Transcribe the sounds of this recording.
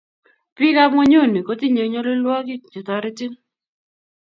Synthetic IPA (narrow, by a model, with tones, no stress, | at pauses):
pɪ˦ka˦mo˦ɲo˦˨ni˨ko˨˦ti˦ɲe˨˦ɲo˦lo˦lwɔ˦kɪ˦d͡ʒɪ˨tɔ˨ɾɪ˦tɪ˦ŋ